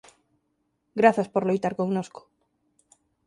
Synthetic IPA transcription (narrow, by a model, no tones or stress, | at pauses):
ɡɾaθɐspoɾlojt̪aɾkoŋnosko̥